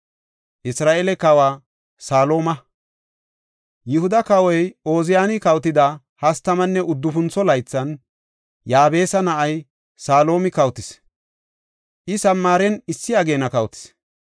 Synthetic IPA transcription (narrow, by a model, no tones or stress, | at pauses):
ʔɪsɾaːʔelɛkɐwaː | saːlo̞ːmɐ | jɪhʊd̪ɐkɐwɔjo̞ːzɪjaːnɪkɐwt̪ɪd̪ɐ | hɐst̪ɐmɐnːɛʔʊd̪ːʊfʊnt͡sɔlɐjt͡sːɐn | jaːbe̞ːsɐnɐʔɐj | saːlo̞ːmɪkɐwt̪ɪs | ʔɪsɐmːaːɾɛnɪsːɪɐɡe̞ːnɐkɐwt̪ɪ̥s